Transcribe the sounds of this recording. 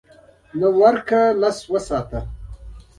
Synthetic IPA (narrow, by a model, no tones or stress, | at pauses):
nəwaɾkalaswəsɑːt̪a